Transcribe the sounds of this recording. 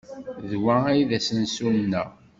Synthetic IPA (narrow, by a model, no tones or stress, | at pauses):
ðwææjðæsənsumnæ